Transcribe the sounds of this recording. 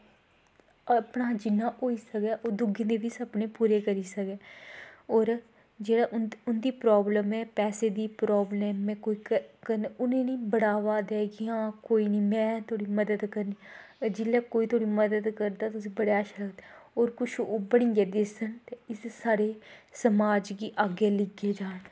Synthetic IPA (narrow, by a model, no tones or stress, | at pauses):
əpɳaːd͡ʒɪnːãːʔoːiːsəkɛːʔoːd̪ʊɡẽːd̪eːʋiːsəbnẽːpuːɾeːkəɾiːsəkɛːɔːɾ | d͡ʒeːɽaːʔʊʊnd̪iːpɾɔːbləmɛːpɛːseːd̪iːpɾɔːblɛːmɛ̃ːkoːiːkkəɾnʊnẽːnĩːbəɽaːʋaːd̪ɛːɡiãːkoːiːniːmɛ̃ːt̪ʰoːɽiːməd̪əd̪kəɾniːd͡ʒɪlɛːkoːiːt̪ʰoːɽiːməd̪əd̪kəɾd̪aːt̪ʊsĩːbəɽeːaʃləɡd̪ɛoːɾkʊt͡ʃʰoːbəɽĩːɡeːd̪esənt̪eːɪssaːɾeːsəmaːd͡ʒɡiːʔaːɡeːlɪɡeːd͡ʒaːɽ̃